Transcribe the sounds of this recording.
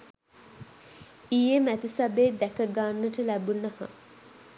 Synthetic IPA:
ijemæt̪isabeːd̪ækəɡaːnːəʈəlæbunɐhɐ̰

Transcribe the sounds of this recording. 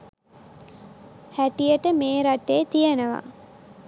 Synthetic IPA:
hæʈijəʈəmeːɾaʈːeːt̪ijənəʋa̰

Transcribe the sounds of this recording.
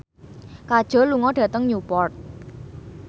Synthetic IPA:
kad̥ʒ̥ɔ̤luŋɔdɖ̥ä̤t̪əŋjupɔrt̪̚

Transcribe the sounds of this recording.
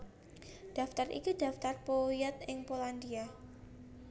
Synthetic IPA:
d̥aft̪arʔḭkud̥a̤ft̪arpojɛt̪̚ɪŋpoland̪ia

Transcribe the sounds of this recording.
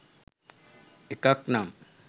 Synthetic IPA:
ɪkaknam

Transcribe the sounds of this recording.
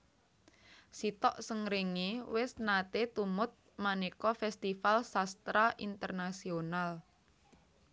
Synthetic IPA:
sit̪ɔʔsəŋɾeŋewɪsnat̪et̪umʊt̪̚ | manekɔfɛst̪ifalsast̪ɾaʔint̪ərnasional

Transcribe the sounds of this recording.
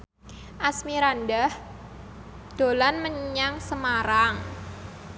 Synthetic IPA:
ʔasmiɾandah | d̪̥o̤lanməɲɲaŋsəmaɾaŋ

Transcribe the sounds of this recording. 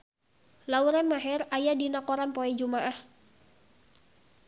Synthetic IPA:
lauɾanmaɦɛrajadinakɔɾanpoɛd͡ʒumaʔah

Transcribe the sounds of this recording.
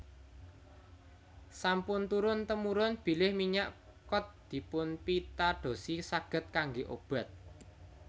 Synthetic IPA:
sampʊnt̪uɾʊnt̪əmuɾʊnb̥i̤lɪhmiɲaʔkɔt̪̚d̪̥i̤pʊnpit̪aɖ̪̥o̤sisaɡ̥ə̤t̪̚kaŋɡeʔob̥a̤t̪̚

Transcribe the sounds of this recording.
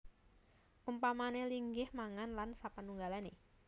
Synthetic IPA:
ʔumpamaneliŋɡɪhmaŋanlansapənuŋɡalane

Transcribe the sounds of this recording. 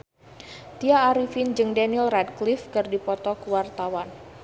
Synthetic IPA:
t̪iaːɾifind͡ʒɨŋdɛnilrɛd̚klifkɨrdipɔt̪ɔkəwart̪awan

